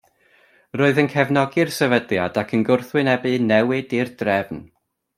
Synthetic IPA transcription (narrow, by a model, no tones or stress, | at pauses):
roːɨðənkʰɛvnɔɡɪrsɛvədljadakʰənɡʊrθwɨnɛbɨnɛwɪdirdrɛvn